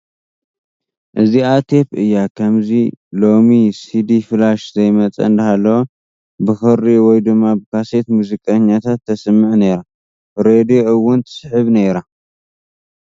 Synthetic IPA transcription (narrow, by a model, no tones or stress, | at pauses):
ʔɨziat̪ʰe̞pʔɨjːakʰɐmzilo̞misid̪ifɨlaʃzɐjmɐt͡sʼɐ̰nd̪ɐhalːowo | bɨxɨɾiwɔjd̪ɨmːabɨkʰase̞t̪muzikʼɐɲːat̪ʰat̪ʰːɐsɨmːɨʕne̞ɾa | ɾed̪ioɨwːʊnt̪ʰɨ̥sħɨβne̞ɾa